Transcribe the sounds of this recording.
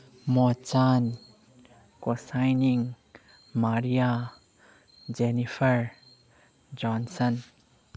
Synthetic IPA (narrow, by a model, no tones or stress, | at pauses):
mɔt͡ʃan | kosajniŋ | maɾia | d͡ʒenifəɹ | d͡ʒɔnsən